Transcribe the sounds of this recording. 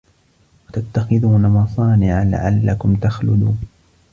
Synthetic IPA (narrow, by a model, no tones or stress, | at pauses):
wat̪at̪ːaxɪðuːnamɑsˤɑːnɪʕala̰ʕa̰lːakʊmt̪axlʊd̪uːn